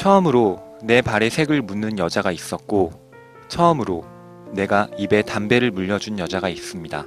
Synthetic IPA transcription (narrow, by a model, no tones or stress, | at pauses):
t͡ɕʰʌɯmɯɾone̞paɾe̞sʰe̞ɡɯɭmunːɯnjʌd͡ʑaɡais͈ʌt̚k͈o | t͡ɕʰʌɯmɯɾo | ne̞ɡaibe̞tambe̞ɾɯɭmuʎːʌd͡ʑunjʌd͡ʑaɡais͈ɯmɲida